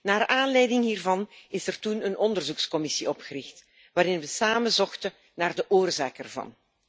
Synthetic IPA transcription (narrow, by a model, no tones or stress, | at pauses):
naːraːnlɛjdɪŋɦiːrvɑnɪsɛrtunənʔɔndərzukskɔmɪsiɔpxərɪxt | ʋaːɾɪnʋəsaːməzɔxtə | naːrdəʔoːrzaːkɛrvɑ̰n